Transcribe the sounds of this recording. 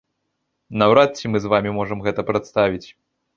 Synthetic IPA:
nɐwɾat̪̚t͡sʲimɨzvamʲimɔʐɐmɣɛt̪ɐpɾɐt̪st̪avʲit͡sʲ

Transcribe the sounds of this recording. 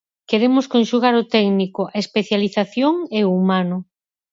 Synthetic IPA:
keɾemʊskonʃuɣaɾʊt̪ɛɡnikʊʔaespeθjaliθaθjoŋeumanʊ

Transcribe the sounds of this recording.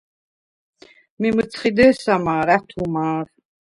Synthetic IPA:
mimɨt͡sʰχid̪ɛːsamaːɾæt̪ʰumaːr

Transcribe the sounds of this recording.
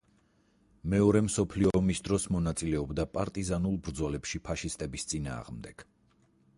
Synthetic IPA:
mɛɔɾɛmsɔpʰliɔːmisd̪ɾɔsmɔnat̪sʼilɛɔbd̪apʼaɾt̪ʼizanulˠbɾd̪zɔlɛpʃipʰaʃist̪ʼɛbist̪sʼina̰ːʁmd̪ɛɡ̥

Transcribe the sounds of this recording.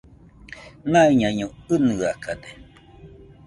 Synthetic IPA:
nãiɲãɲõɨnɨakad̪e

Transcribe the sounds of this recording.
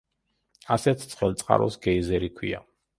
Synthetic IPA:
asɛt̪ʰt̪sʰχɛlˠt̪sʼqʼa̰ɾɔ̰sɡɛizɛɾikʰwia̰

